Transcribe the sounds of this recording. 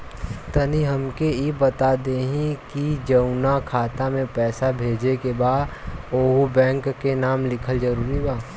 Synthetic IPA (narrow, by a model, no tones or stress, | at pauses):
t̪ɐniɦɐmkeibɐt̪ad̪eːɦĩkid͡ʒɐʊnakʰaːt̪amẽpɛːsabʱeːd͡ʒekebaːd̪oːɦubɛ̃ːŋkːenaːmlɪkʰəld͡ʒɐɾuːɾibaː